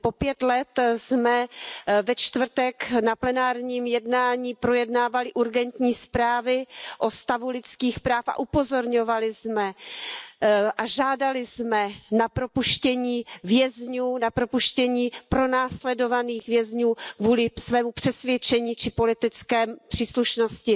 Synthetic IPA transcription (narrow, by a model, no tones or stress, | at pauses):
po̞pjɛt̪lɛt̪zmɛvɛt͡ʃt̪vr̩t̪ɛknaplɛnaːɾɲiːmjɛdnaːɲiːpɾo̞jɛdnaːvalɪʔuɾɡɛnt̪ɲiːspɾaːvɪʔo̞st̪avulɪt͡skiːxpɾaːfʔa̰ʔupo̞zo̞ɾɲo̞valɪzmɛ | ʔaʒaːdalɪzmɛnapɾo̞puʃcɛɲiːvjɛzɲuːnapɾo̞puʃcɛɲiːpɾo̞naːslɛdovaniːxvjɛzɲuːkvuːlɪsvɛːmupr̥ɛsvjɛt͡ʃɛɲiːt͡ʃɪpo̞lɪt̪ɪt͡skɛːmpr̝̥iːsluʃno̞scɪ